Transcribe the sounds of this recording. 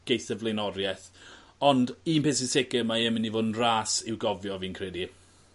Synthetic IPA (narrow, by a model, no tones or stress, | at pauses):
ɡ̥ejθəvlejnɔɾjɛθ | ɔndiːnpʰes̬ɪsɪɡəmaɛmɪnivoːdn̩raːsɪwɡɔvjɔviːnkʰrɛdi